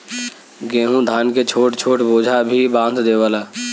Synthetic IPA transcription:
ɡeːɦũd̪ʱaːnket͡ʃʰoːʈt͡ʃʰoːʈboːd͡ʒʱabʱibãːnd̪d̪eːʋaːlaː

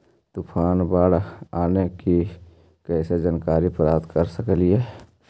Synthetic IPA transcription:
t̪ʊpʰaːnbaːɽaːneki | kɛːsed͡ʒankaːɾipəɾaːt̪kəɾsəklie

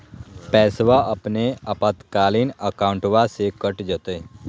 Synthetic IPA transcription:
pɛːsʋaʔɐpneɐpat̪kaːliːnəkaːũɳʈʋasekəʈd͡ʒət̪eː

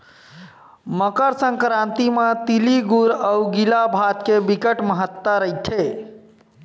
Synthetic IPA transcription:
məkəɾsə̃ŋkɾant̪imet̪iliɡuɾəwɡilabʱat̪kebikəʈməɦət̪ːəɾəjt̪ʰe

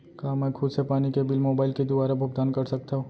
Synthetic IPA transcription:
kaːmɛːkʰʊd̪sepaːnikebɪlmoːbaːɪlked̪ʊbaːɾabʱɐɡd̪aːnkɐɾsɐk̚t̪aɦoː

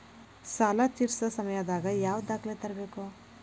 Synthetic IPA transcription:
saːlat̪iːɾsɐsɐmɐjɐd̪aːɡɐjaːʋd̪aːklet̪ɐɾɐbeːku

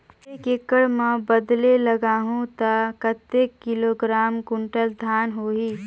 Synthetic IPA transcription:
ekekəɽməbəd̪leləɡaːɦũt̪akət̪ːekːɪloɡɾaːmkʊɳʈəld̪ʱaːnɦoːɦiː

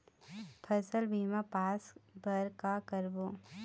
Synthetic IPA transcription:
pʰəsəlbʱiːmapaːsbəɾkakəɾboː

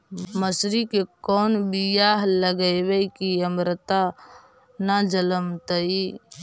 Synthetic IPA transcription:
məsɾikekɔːnbijaɦləɡəɪbeikiəmɾət̪a | nad͡ʒələmt̪əi

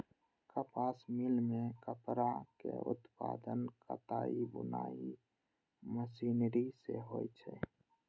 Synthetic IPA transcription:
kəpaːsmɪlmẽkəpɾakḛʊ̰t̪paːd̪ənkə̰t̪aːibʊnaːi | məsiːnɾiseɦoːit͡ʃʰe

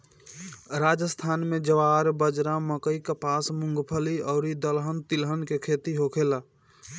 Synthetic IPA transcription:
ɾad͡ʒəst̪ʰaːnmed͡ʒəʋaɾbəd͡ʒɾãməkəikəpasmʊ̃ŋɡpʰəliɔʊɾid̪əlɦənt̪ilɦənkekʰet̪iɦokʰela

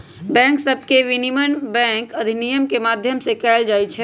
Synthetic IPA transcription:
bɛ̃ŋksəb̚ʱkeʋinimənbɛ̃ŋkəd̪ʱinijəmkemad̪ʱjəmsekɛld͡ʒajt͡ʃʰɛ

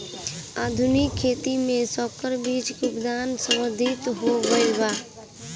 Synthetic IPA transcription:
aːd̪ʱʊnɪkʰːeːt̪imẽsɔːkəɾbiːt͡ʃkʊkd̪aːnsə̃məɾd̪ʱɪt̪ɦoɡəibaː

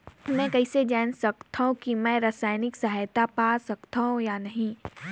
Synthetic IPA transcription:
mɛ̃kɐɪsed͡ʒaːnsɐk̚t̪aɦũkimɛ̃ːɾasaːɪnɪksɐɦaːjt̪apaːsɐkt̪aɦũjanɐɦĩ

